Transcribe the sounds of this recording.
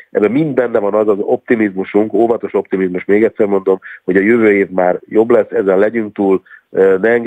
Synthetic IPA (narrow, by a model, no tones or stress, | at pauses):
ʔɛ̰bːɛmind̪bɛnːɛvɒnɒzɒzo̞p̚t̪imizmuʃuŋkoːvɒt̪o̞ʃo̞p̚t̪imizmuʃmeːɡɛt̪ʲsɛrmo̞nd̪o̞mho̞ɟɒjøvøːeːvmaːrjo̞blɛsːɛzɛnlɛɟyŋk̚t̪uːlnɛːŋɡ